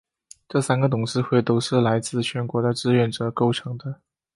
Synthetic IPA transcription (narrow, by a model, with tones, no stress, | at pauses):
ʈ͡ʂɤ˥˩sa˥nɡə˨t̪ʊ˨˩ŋʂɻ̩˥˧xwe˥˩ɪt̪o˥ʊʂɻ̩˥˩la˧˥ɪt͡sɹ̩˥˩t͡ɕʰɥɛ˧˥nkwɔ˧˥d̪ə˧ʈ͡ʂɻ̩˥˧ɥɛ˥˩nʈ͡ʂɤ˨˩ko˥˩ʊʈ͡ʂʰɤ˧˥ŋd̪ə˧